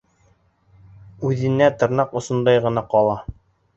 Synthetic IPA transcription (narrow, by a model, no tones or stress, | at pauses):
ʉðɘ̆næt̪ɤ̆ɾnɑqŏsŏnd̪ɑjʁɤ̆nɑqɒlˠɑ